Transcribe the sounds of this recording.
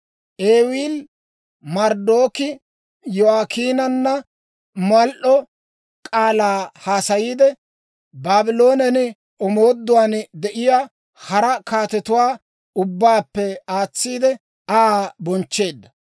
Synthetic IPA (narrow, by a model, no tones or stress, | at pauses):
ʔeːwiːl | mɐɾd̪oːkɪ | jɔaːkiːnɐnːɐ | mɐlʔɔ | kʼaːlaːhaːsɐjiːd̪ɛ | baːbɪlo̞ːnɛnɪ | ɔmoːd̪ːʊwaːnd̪ɛʔɪjaː | hɐɾɐkaːt̪ɛt̪ʊwaː | ʊbːaːpːɛaːt͡sːiːd̪ɛ | aaːbɔnt͡ʃːe̞ːd̪ːɐ